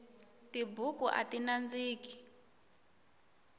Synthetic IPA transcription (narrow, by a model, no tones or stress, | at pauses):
tibukuʔa̰tinand͡ziːki̥